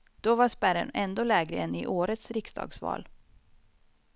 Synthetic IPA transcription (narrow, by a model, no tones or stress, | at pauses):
d̪̥ɔvaʂpæɾə̰nɛnd̪oːlɛːɡɾəɛnɪʔoːɾət̪sɾɪksd̪ɑ̰ːɡsvɑ̰ːl